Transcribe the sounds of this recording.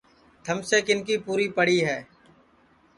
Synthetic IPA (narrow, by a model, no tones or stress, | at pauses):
t̪ʰəmseːkɪnkiːpuːɾiːpəɽ̤iːɦɛː